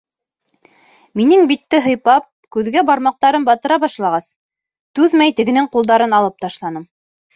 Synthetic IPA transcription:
minɘŋbit̪ːɘɦɤ̆jpɑp̚kʉðɡæbɑɾmɑq̚t̪ɑɾɤmbɑt̪ɤ̆ɾɑbɑʃlˠɑʁɑs | t̪ʉðmæjt̪ɘ̆ɡɘ̆nɘŋqulˠd̪ɑɾɤnɑlˠɤp̚t̪ɑʃlˠɑnɤm

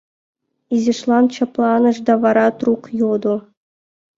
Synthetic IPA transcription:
izʲeʂlˠɑnt͡ɕɑplˠɑnɤ̆ʂd̪ɑvɑɾɑt̪ruqjod̪u

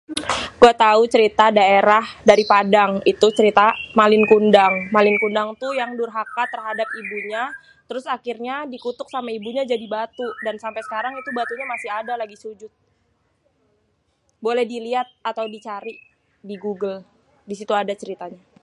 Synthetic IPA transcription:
kuat̪aut͡ʃəɾit̪adaeɾahdaɾipadaŋit̪ut͡ʃəɾit̪amalɪnkundaŋmalɪnkundaŋt̪ujaŋdʊrɦakat̪ərɦadap̚ibuɲa | t̪əɾʊsakirɲadikut̪ʊk̚samaibuɲad͡ʒadibat̪udansampajsə̥kaɾaŋit̪ubat̪uɲamasɪɦadalaɡisud͡ʒʊt̪̚ | bolɛhdiliat̪̚at̪awdit͡ʃaɾiʔ | diɡuɡəl | disit̪uadat͡ʃəɾit̪aɲa

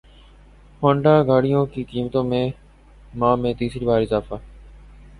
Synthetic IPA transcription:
hõːɳɖaːɡaːɽɪjõːkiːkiːmət̪õːmẽː | mãːmẽːt̪iːsɾiːbaːɾɪzaːfaː

